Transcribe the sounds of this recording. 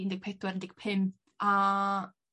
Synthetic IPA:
ndɪɡ̚pʰedwɛɾəndɪɡ̥̚pʰɪmpʰ | a

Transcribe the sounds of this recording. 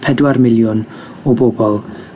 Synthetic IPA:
pʰɛdwarmɪlˠjʊn | ɔbɔbɔlˠ

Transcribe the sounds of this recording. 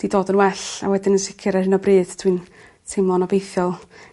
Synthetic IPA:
d̥idoːdənwɛɬa̰wɛdɪnənsɪkʰɪɾahɪnɔbrɨːd̥tʰwiːn | tʰemlˠɔnɔbejθjɔlˠ

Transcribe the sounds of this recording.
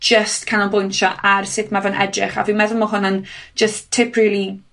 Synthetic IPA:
d͡ʒəstkʰanalˠbʊjntʰɔʔarsɪθmɛvanʔɛ̰drɪ̰χa̰vimɛðʊlˠmɔɦʊnand͡ʒ̥əstʰːɪpʰriːlˠi

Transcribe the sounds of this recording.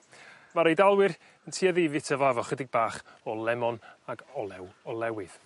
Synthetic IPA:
vaɾejdalˠwɪr | əntʰiːaðiːvɪtʰəvaavɔχədɪɡ̚baːχɔlˠɛmɔnaɡɔlˠɛwɔlˠɛwɪð̥

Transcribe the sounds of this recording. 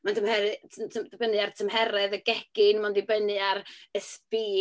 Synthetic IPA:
mantʰəmhɛɾɨtʰtʰəmdbənɨartʰəmhɛɾɛðəɡɛɡ̥ɨnmandɪbənɨarəspiː

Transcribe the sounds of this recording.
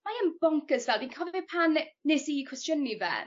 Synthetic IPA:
majɛmb̥ɔŋkəzvɛlˠdinkʰɔvɪpʰanːɪsikʰɹ̥ɪstjənivɛ̰

